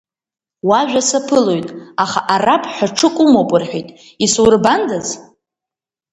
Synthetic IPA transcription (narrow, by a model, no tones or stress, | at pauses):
waʒᶣasapʰɨlo̞jtʼaχaʔarapʰʼħʷᶣaʈ͡ʂʰɨkʷʼʊmopʼʊrħʷᶣitʼ | iswʊrbandaz